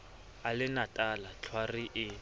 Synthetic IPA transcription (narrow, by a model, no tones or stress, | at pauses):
alɪnatʼalat͡ɬʰwariʔɪ